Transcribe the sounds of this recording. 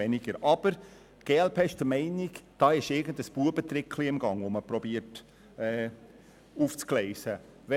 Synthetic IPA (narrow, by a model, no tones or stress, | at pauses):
ɛnɪɡ̥əɾʔɑb̥əɾ | ɡ̥eːɛlpʰeːɪʃd̥əmɛɪniɡd̥ɑːɪʃɪɾɡəndəsb̥uːəbət̪ɾɪkʰliɪmɡɑŋoməpɾɔbiːəɾt | ɛː | uːft͡sklɛɪsə | ʋɛ